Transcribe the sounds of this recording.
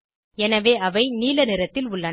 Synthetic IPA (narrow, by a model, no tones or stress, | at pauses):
ɛnɐʋeːɐʋɐɪniːlɐnɪɾɐt̪ːɪlʊɭːɐ